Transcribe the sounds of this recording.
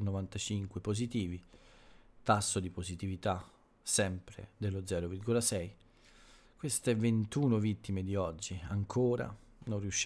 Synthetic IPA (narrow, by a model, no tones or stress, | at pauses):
novant̪at͡ʃiŋkwepozit̪iːvi | t̪asːod̪ipozit̪ivit̪a | sɛmpɾḛd̪elːod̪zɛːɾovirɡolasɛj | kwest̪event̪uːnovit̪ːimed̪iɔd͡ʒːiaŋkʰoːɾa̰ | nonriuʃː